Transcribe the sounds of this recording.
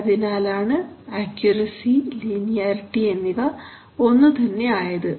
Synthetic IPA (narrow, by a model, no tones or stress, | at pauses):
ðinaːlaːɳɨaːkjuɾɐsiliːnijaːɾiʈːienːiʋɐ | o̞nːɨt̪ɐnːe̞aːjɐðɨ